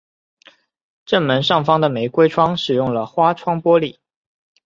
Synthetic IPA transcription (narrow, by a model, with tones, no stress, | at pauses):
ʈ͡ʂə˥˩nmə˧˥nʂɑ˥˩ŋfɑ˥ŋd̪ə˨me˧˥ɪkwe˥ɪʈ͡ʂʰwɑ˥ŋʂɻ̩˨˩jʊ˥˩ŋlə˩xwa˥ʈ͡ʂʰwɑ˥ŋpwɔ˥li˨˩˦